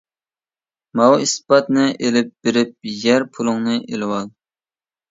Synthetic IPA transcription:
mɑwispɑt̪nɨʔelɪp̚b̥eɾɪp̚jɛɾpʰulˠʊŋnɨʔelɪwɑlˠ

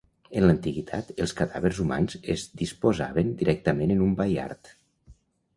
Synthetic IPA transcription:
ənlənt̪iɣit̪ʰa̰t̪əlˠskaðaβəɾzuma̰nzezd̪ispozaβənd̪iɾɛk̚t̪əmenənumbaja̰ɾt̪

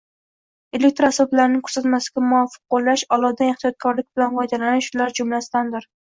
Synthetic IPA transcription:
elek̚ʲt̪ɾasɒblaɾɪnɪŋʲkʰɵ̥ɾsat̪masɪɡʲamʊɒfːɨ̥q̚ːolˠːaʃɒlˠɒd̪anɪχt̪ʰijɒt̪̚kʰɒɾlɪk̚ʲbɪlanvɒjd̪alanɪʃʊlaɾd͡ʒʊmlasɪd̪and̪ɪɾ

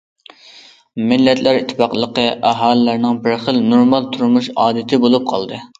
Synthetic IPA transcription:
mɪlːɛt̪ʰlæɾit̪ʰːɪ̥pɑqlˠəqəʔæɦɑːlɪlæɾnɪŋbɪɾχəlnoɾmɑlˠt̪ʰuɾmuʃɑːd̪ɪt̪ʰɪbolˠup̚qʰɑlˠd̪ɨ

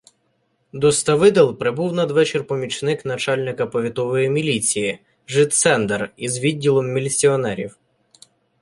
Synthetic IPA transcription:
d̪ɔst̪ɐʋɪd̪ɛlˠpɾɪbuwnɐd̪ʋɛt͡ʃɪrpɔmʲit͡ʃnɪknɐt͡ʃɑlʲnɪkɐpɔʋʲit̪ɔʋɔjimʲilʲit͡sʲiji | ʒɪt̪sɛnd̪erizʋʲidʲːilˠɔmːʲilʲt͡sʲiɔnɛɾʲḭw

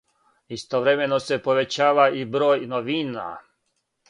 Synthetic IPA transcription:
ist̪oʋɾeme̞nose̞po̞ʋe̞t͡ɕaːʋaibɾo̞ːjnoʋiːna̰

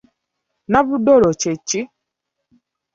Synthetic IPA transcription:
nabʊdɔɾɔt͡ʃet͡ʃi

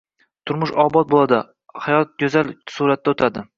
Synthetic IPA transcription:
t̪ʰʊɾmʊʃɒbɒt̪̚bolˠad̪ɪ | hajɒt̪̚jʲozalsuɾat̪ːaʊt̪ʰad̪ɪ

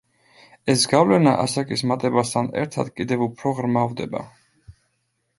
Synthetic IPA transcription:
ɛsɡavlɛna̰ʔa̰sakʼismat̪ʼɛbast̪ʰanɛ̰ɾt̪ʰad̪̥kʼid̪ɛvupʰɾɔʁɾmavd̪ɛba̰

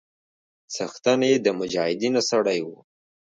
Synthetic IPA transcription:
t͡saxt̪aned̪əmʊd͡ʒɑhɪd̪inosaɽajwu

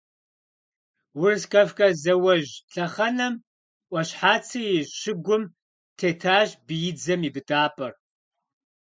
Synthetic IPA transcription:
wʊrɨskɐfkʼɐzɐwɐʒɬʰʼɐχɐnɐm | ʔʷʼɐɕħaːt͡sʰɨjɪɕɪɡʷʊm | tʰeːtʰaːʑbɨjɪd͡zɐmibɨtʼaːpʼɐr

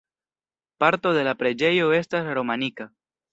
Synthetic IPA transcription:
paɾto̞de̞lapɾe̞d͡ʒe̞jo̞e̞stasɾo̞manika

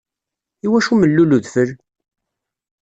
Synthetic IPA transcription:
iwæʃuməlːuluðfəɾ

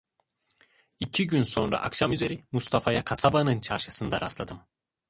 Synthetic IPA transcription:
icʰiɟynso̞̰nɾa̰ʔakʃamyze̞ɾimust̪ʰafajakʰasabanɯnt͡ʃʰaɾʃɯsɯnd̪a̰ɾʔa̰slˠad̪ɯm

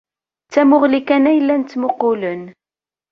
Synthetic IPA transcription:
t͡sːæmʊʁlikænæjəlːænt͡s̪ːmʊqːʊlən

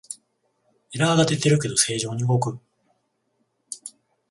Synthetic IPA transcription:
iɾaɡat̪e̞t̪e̞ɾɯ̟ke̞d̪o̞se̞ːʑo̞ːɲ̟iɯɡo̞kɯ̟

